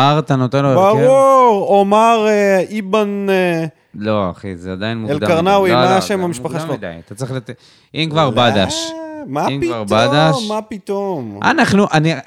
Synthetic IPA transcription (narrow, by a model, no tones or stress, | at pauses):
aʁt̪anot̪enlobaʁuʁomaʁeiban | loa̰χḭzead̪ajinmuelaʁnawimmaʃemmamiʃpaχaʃʃlod̪ajat̪at͡sʁiχlat̪ | imkvaʁbad̪aʃmaiivaʁbad̪aʃmapit̪oma̰naχnuʔani